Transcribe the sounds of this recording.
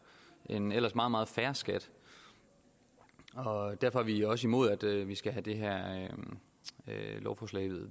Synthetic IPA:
ʔenel̰ɐsmɑ̈ːð̩ˠmɑːð̞̩ˠfæɐsɡ̥æd̥ | ɒ̽d̥æɐ̰fɒ̽æʋiɒ̽s̬əimo̝ð̞̰ˠæd̥ʋisɡ̥æɦæd̥e̝ɦæɐ̰ø | ølɒʊfɒːslɛ̰ɪ̰ʋeðˠ

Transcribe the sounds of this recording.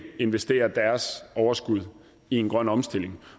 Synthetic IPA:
e̝nʋesd̥e̝̰ːɐd̥æɐsɒʊɐsɡ̥uð̞̰ˠ | ie̝nɡ̥ʁɶn̰ɒ̽msd̥e̝l̰e̝ŋ

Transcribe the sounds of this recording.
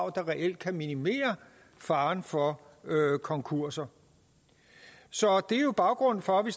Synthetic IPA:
ʊ̰d̥ɑ̈ʁɛʔel̰d̥̚kʰæminime̝̰ːɐ | fɑ̈ːnfɒ | økʰɒ̽ŋkʰuɐ̰sɐ | sɒ̽d̥e̝jo̝b̥ɑ̈ʊɡ̥ʁɔ̽n̰n̩fɒ̽ʋe̝s

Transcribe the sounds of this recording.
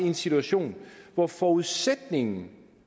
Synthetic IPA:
iensit͡sʰuæɕo̝̰ːnʋɒfɒuðˠsed̥ne̝ŋn̩

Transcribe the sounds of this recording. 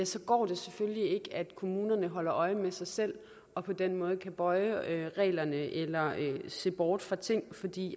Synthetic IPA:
jæsɒ̽ɡ̥ɒ̰ːd̥e̝sefølːie̝ɡ̥æd̥kʰo̝muːnɐnəɦɒ̽l̰ɐʔɒ̽ɪəmesɑ̈ɪsel̰ | ɒ̽pʰɒ̽d̥en̰mɔ̽ːð̞̩ˠkʰæb̥ɒ̽ɪøʁɛ̰ːlɐnəʔelɐøse̝̰b̥ɒːd̥fʁɑ̈t͡sʰe̝ŋ̰fɒd̥ḭː

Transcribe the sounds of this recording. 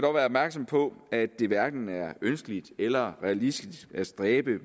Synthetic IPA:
dɒʋæːɐɒb̥mæɐɡ̥sɒ̽mpʰɒ̽æd̥e̝ʋæɐɡ̥n̩æɐønsɡ̥əlid̥elɐʁɛælisd̥isæsd̥ʁɛːb̥ə

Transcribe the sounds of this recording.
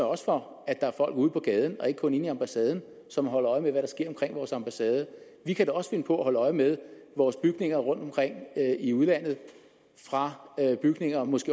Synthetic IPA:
ɒ̽sfɒ̽ | æd̥ɑ̈æɐfɒ̽l̰ɡ̥uð̞̰ˠpʰɒ̽ɡ̥ɛːð̞ˠn̩ɒ̽e̝ɡ̥əkʰɔ̽ne̝niɑ̈mb̥æsɛːð̞ˠn̩ | sɒ̽mɦɒ̽lɐɒ̽ɪmeʋæɾɑ̈sɡ̥e̝ɐ̰ɒ̽mkʰʁeŋ̰ʋɒːsɑ̈mb̥æsɛːð̞ˠə | ʋikʰædeɒ̽sfe̝nəpʰɒ̽æhɒ̽ləɒ̽ɪmeð̞ˠʋɒːsb̥yɡ̥ne̝ŋɐʁɔ̽n̰d̥ɒ̽mkʰʁeŋ̰iuð̞ˠlæn̰ð̩ˠ | fʁɑ̈b̥yɡ̥ne̝ŋɐmɔ̽sɡ̥e̝̰

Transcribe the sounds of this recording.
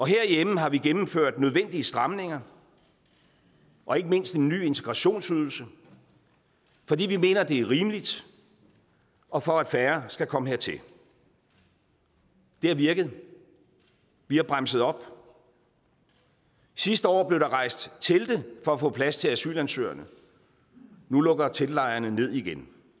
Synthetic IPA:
ɒ̽ɦeɐ̰ijem̩ɦɑ̈ʋiɡ̥emm̩føɐ̰d̥nøð̞ˠʋen̰d̥iəsd̥ʁɑ̈mne̝ŋɐ | ʔɒ̽e̝ɡ̥əme̝n̰sd̥e̝nːy̰ːe̝nt͡sʰe̝ɡ̥ʁɑ̈ɕo̝̰ːnsyð̞ˠl̩sə | fɒ̽d̥ḭːʋime̝ːnɐd̥e̝æɐʁiːməlid̥ | ɒ̽fɒ̽æd̥fæɐsɡ̥ækʰɒ̽məɦeɐ̰t͡sʰe̝l | d̥e̝æɐʋiɐɡ̥əð̩ˠ | ʋihɑ̈b̥ʁamsəð̞̩ˠɒ̽b̥ | sisd̥əɒ̰ːb̥le̝ʊdɑ̈ʁɑ̈ɪ̰sd̥t͡sʰe̝ld̥efɒ̽æfɔ̰̽ːpʰlæst͡sʰe̝læsy̰ːlænsø̰ːɐnə | nulɔ̽ɡ̥ɐt͡sʰe̝lːɑ̈ɪɐnəne̝ð̰ˠiɡ̥en

